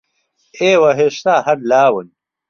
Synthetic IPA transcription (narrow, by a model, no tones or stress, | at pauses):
eːwɐɦeʂt̪aːɦɐɾlaːwɐn